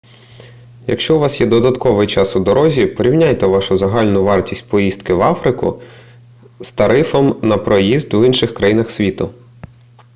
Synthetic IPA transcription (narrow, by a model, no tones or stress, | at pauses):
jɐ̰kʃt͡ʃɔʊʋɑsjɛd̪ɔd̪ɐt̪kɔʋɪjt͡ʃɑsʊd̪ɔɾʔɔzʲipɔɾʲiwnʲajt̪ɛʋɑʃʊzɐɦɑlʲnʊʋɑrtʲisʲt̚ʲpɔjist̪kɪʋɑfɾɪkʊ̰ | st̪ɐɾɪfɔmnɐpɾɔjizd̪winʃɪxkɾɐjinɐxsʲʋʲit̪ʊ